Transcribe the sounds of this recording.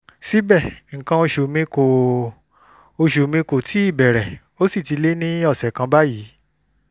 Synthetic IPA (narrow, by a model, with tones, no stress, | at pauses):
si˦bɛ˦˨ŋ̩˨kã˧˦o˧ʃu˨mĩ˧ko˨ | o˧ʃu˨mĩ˧ko˨tʰi˨˦i˦˨bɛ˨ɾɛ˨ | o˦si˦˨ti˨˧le˦nĩ˦ɔ˦˨sɛ˨kã˧ba˦jiː˨˦